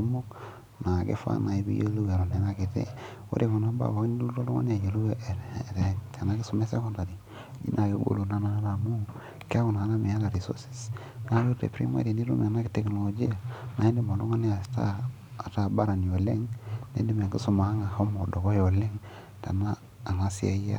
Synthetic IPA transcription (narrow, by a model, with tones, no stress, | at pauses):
mu˦k | na˨ɡḛ˦fa̰˦na˨i˦bḭ˦jo˦lu˦we˨ɾo˨ne˨na˦ki˨tḛ˦ | o̰˦ɾe˨fu˨na˦ba̰˨wo˨˦ni˦u˦ɾo˦lu˦ŋo̰˦n˦a˨je˨lu˦˨ɾɾe˨tʰe˨na˦ki˦su˨me˦se˦ko˦nda˨di˨ | d͡ʒḭ˦nʔa˨jo˦ɡo̰˨lu˨na˦na˦na˨mu˦ | ke˦a˦ku˨na˨˦na˦me˨a˦la˨ɾi˨so̰˦si̥˨s | na˨˦jo˦ɾḛ˨pɾi˦ma̰˦ɾe˨ni˦ɾu˦m˨na˦ki˦te˨kno˨lo˨d͡ʒi˦ja˨na˨i˦ndi˦mo˨lu˦ŋa˦ni˦a˨sta̰ː˦˨ | ta˦˨ba˦ɾa˨ni˨o˨le˦ŋnḛ˦ndi˦m˨ɡi˦su˨ma˨˦ŋa˨ho˦mo˨do˨ɡo˦jo˨le˦ŋ | ta̰˨naː˦˨ | ŋa˦si˦a̰˦ja̰˦